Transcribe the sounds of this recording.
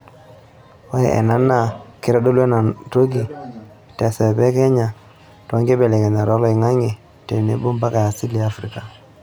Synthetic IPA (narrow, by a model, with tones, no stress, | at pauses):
wa˦jɛ̰˨ʔɛ̰˨na˦na˦˨kɪ˦ɾa˦do˦le˦na˨nto˦ɡi˨ | tɛ˨sɛ˨bɛ˦kɛ˦ɲa˨ | ta˦ŋɡe˦bɛ˨lɛ˨kɛ˨ɲa˨ɾɔ˦lɔ˦ɪ˨ŋa˦ŋe˨ | te˨ne˦bo˦mba˦ka˨ja˨si˦li˨a˦fɾi˦ka˨